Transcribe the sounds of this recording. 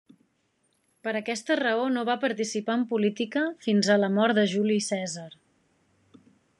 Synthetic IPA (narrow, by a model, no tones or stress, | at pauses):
pəɾəkɛst̪ərəonoβapəɾt̪isipaəmpulit̪ikəfinzələmɔɾt̪d̪əʒulisɛzəɾ